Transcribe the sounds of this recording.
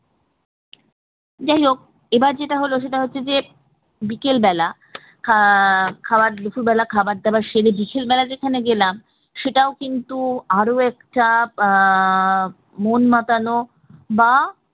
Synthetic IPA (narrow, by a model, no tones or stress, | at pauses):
d͡ʑaɦiok̚ | ebaɾd͡ʑeʈaɦoloʃ̬eʈaɦotːɕʰed͡ʑe | bikelbɛla | kʰ | kʰabaɾlufʰuɾbɛlakʰabaɾd̪ɛbaɾʃeɾebikelbɛlad͡ʑekʰaneɡelam | ʃeʈaokint̪uaɾoɛkʈa | monmat̪ano | ba